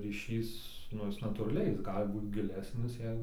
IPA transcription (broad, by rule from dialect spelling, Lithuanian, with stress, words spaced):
rʲiːˈʃʲiːs ˈnʊ ˈjɪs nɐtuːrɐˈlʲɛɪ ˈjɪs ˈɡɑːlʲɪ ˈbuːt ɡʲɪˈlʲæːsʲnʲɪs ˈjɛɪ